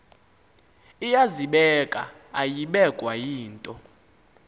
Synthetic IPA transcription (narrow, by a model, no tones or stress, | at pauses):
ijaziɓɛkʼa̰ | ajiɓɛkʼwajiːntʼɔ